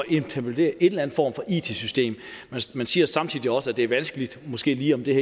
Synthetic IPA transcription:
ɒʔent͡sʰæpod̥e̝̰ːɐʔe̝d̥læn̩fɒ̰ːmfɒ̽ʔḭːt͡sʰe̝sysd̥e̝̰ːmmæmænsiːɐsɑ̈mt͡sʰið̰ˠiɒ̽səæd̥e̝æɐʋænsɡ̥əlid̥mo̽sɡ̥e̝̰ːliːɒ̽md̥e̝hɛ

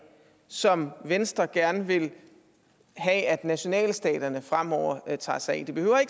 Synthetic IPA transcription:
sɒ̽mʋensd̥ʁɐɡ̥æɐnʋe̝l | ɦɛæd̥næɕo̝nɛ̰ːlsd̥ɛ̰ːd̥ɐnəfʁam̰ɒʊ̰ɐt͡sʰɑ̰̈ːsɑɪ̰d̥eb̥e̝ø̰ʊ̰ɐe̝ɡ̥

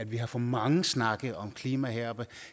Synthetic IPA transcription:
æd̥ʋiɦɑ̈fɒmɑ̈ŋəsnɑ̈ɡ̥ð̩ˠɒ̽mkʰliːmæɦeɐ̰b̥ə

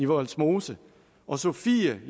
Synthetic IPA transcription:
iʋɒlsmo̝ːsə | ʔɒ̽sofiːæ

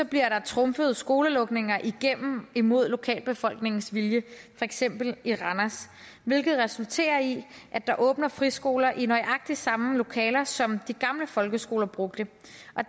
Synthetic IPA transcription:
sɒ̽b̥liɐɾɑ̈t͡sʰʁɔ̽mfəð̞̩ˠsɡ̥o̝ːləlɔ̽ɡ̥ne̝ŋɐʔiɡ̥em̰m̩imo̝ð̞̰ˠlo̝kʰɛ̰ːlb̥e̝fɒ̽l̰ɡ̥ne̝ŋn̩sʋiljəfɒ̽eɡ̥sem̰b̥l̩iʁɑnæs | ʋe̝lɡ̥ð̞̩ˠʁɛsult͡sʰe̝̰ːɐi | ʔæd̥ɑ̈ʔɔ̽ːb̥nɐfʁisɡ̥o̝ːlɐʔinɒ̽ɪʔɑ̈ɡ̥̚d̥i̥sɑ̈məlo̝kʰɛ̰ːlɐsɒ̽md̥iɡ̥ɑ̈mləfɒ̽lɡ̥əsɡ̥o̝ːlɐb̥ʁɔ̽ɡ̥̚d̥ə | ʔɒ̽

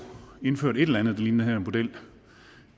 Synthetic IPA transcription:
e̝nføɐ̰ɾe̝ɾelænð̩ˠd̥ɑ̈linhæɐenmo̝d̥el̰

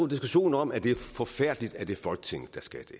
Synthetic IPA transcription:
od̥isɡ̥uɕo̝̰ːn̩ɒ̽mæd̥e̝æɐfɒ̽fæɐ̰d̥əlid̥æɐd̥e̝æfɒ̽lɡ̥ə̥t͡sʰe̝ŋ̰əd̥æsɡ̥æd̥e̝

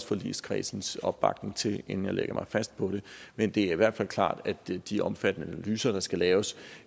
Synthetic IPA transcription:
sfɒ̽lḭːskʰʁḭːsn̩sɒ̽b̥ːɑ̈ɡ̥ne̝ŋt͡sʰe̝le̝nn̩jɑ̈ɪlḛɡ̥ɐmɑ̈ɪfæsd̥̚pʰɒ̽ɾ̥e̝mend̥e̝æɐiʋæɐ̰d̥fæl̰kʰlɑ̰̈ːd̥æd̥d̥iʔɒ̽mfæd̥nəænælyːsɐɾ̥ɑ̈sɡ̥ælɛːʊs

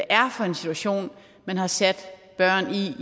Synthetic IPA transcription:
ʔæɐfɒ̽e̝nsit͡sʰuæɕo̝̰ːn | mænhɑ̈sæd̥b̥ɶɐ̰ni

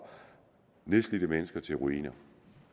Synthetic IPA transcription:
nesd̥lid̥əmenəsɡ̥ɐt͡sʰe̝lʁuḭːnɐ

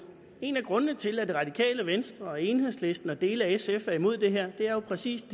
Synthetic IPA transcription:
e̝næɡ̥ʁɔ̽nənət͡sʰe̝læd̥e̝ʁɑ̈d̥ikʰɛ̰ːləʋensd̥ʁɐe̝nhe̝ð̰ˠsle̝sd̥n̩ɒd̥e̝̰ːləæesefæɐimo̝ð̰ˠd̥e̝ɦeɐ̰d̥e̝æɐjo̝pʰʁɛsḭːsd̥

